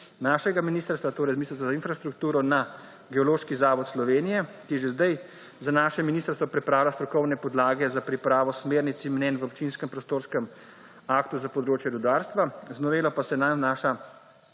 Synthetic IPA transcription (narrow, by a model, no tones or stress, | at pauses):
naːʃɛɡaminiːst̪əɾst̪ʋat̪oːɾɛjzmiisəsɔzinfɾast̪ɾukt̪uːɾɔna | ɡɛoloːʃkizaːʋɔt̪slɔʋeːnijɛkijɛʒezd̪aj | zanaːʃɛminiːst̪əɾst̪ʋɔpɾɛpɾaːwlast̪ɾɔkɔwnɛpɔd̪laːɡɛzapɾipɾaːʋɔsmeːɾnit̪simnɛːnʋəop̚t͡ʃinskəmpɾɔst̪oːɾskəm | aːkt̪uzapɔd̪ɾoːt͡ʃjɛɾud̪aːɾst̪ʋaznɔʋeːlɔpasɛnajnaːʃa